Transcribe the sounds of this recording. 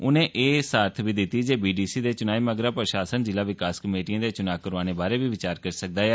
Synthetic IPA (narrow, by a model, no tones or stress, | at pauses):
ʊnẽːʔeːsaːɾt̪ʰʋiːd̪ɪt̪ːiːd͡ʒeːbiːɖiːsiːd̪eːt͡ʃʊnaːiːməɡɾaːpɾəʃaːsənd͡ʒɪlaːʋɪkaːskəmeːʈijãːd̪eːt͡ʃʊnaːkəɾʋaːneːbaːɾeːʋiːʋɪt͡ʃaːɾkəɾsək̚d̪aːɛː